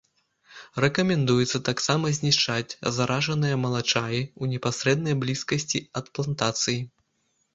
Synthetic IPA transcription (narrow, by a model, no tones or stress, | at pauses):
rɛkɐmʲɛnd̪ujɛt̪sːɐt̪aksamɐzʲnʲiʂt͡ʂat͡sʲzaɾʔaʐɐnɨjɐmɐlˠat͡ʂajiunʲɛpasʲɾɛd̪nɐjblʲiskɐsʲt͡sʲiɐt̪plˠant̪at̪sɨji